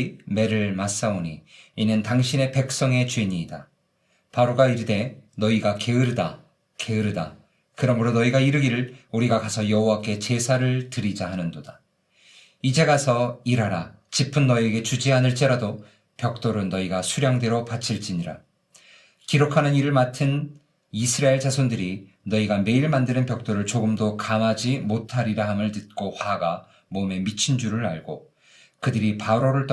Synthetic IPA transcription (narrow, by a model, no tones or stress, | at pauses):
me̞ɾɯɭmas͈aoɲiːnɯntaŋɕʰine̞pe̞k̚s͈ʌŋe̞t͡ɕweɲiːda | paɾoɡaiɾɯde̞nʌiɡake̞ɯɾɯda | ke̞ɯɾɯda̰ | kɯɾʌmɯɾonʌiɡaiɾɯɡiɾɯɭuɾiɡakasʰʌjʌɦowak͈ʰe̞t͡ɕe̞sʰaɾɯɭtɯɾid͡ʑaɦanɯndod̥a | id͡ʑe̞ɡasʰʌiɾɦaɾa | t͡ɕipʰɯnːʌieɡe̞t͡ɕud͡ʑianɯɭt͡ɕ͈e̞ɾado | pjʌk̚t͈oɾɯnːʌiɡasʰuɾjaŋde̞ɾopat͡ɕʰiɭt͡ɕ͈iɲiɾa̰ | kiɾokʰanɯniɾɯɭmatʰɯn | isʰɯɾaeɭt͡ɕasʰondɯɾi | nʌiɡame̞iɭmandɯnɯnpjʌk̚t͈oɾɯɭt͡ɕoɡɯmdokamad͡ʑimotʰaɾiɾaɦamɯɭtɯt̚k͈ohwaɡa | mome̞mit͡ɕʰind͡ʑuɾɯɾaɭɡo | kɯdɯɾipauɾoɾɯɭt͈